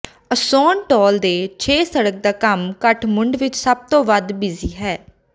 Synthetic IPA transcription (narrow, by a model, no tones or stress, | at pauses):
əsɔːnʈɔːld̪eːt͡ʃʰeːsəɽək̚d̪aːkəmkəʈʰmʊɳɖʋɪt͡ʃsəb̚t̪õːʋəd̪bɪziːɦɛː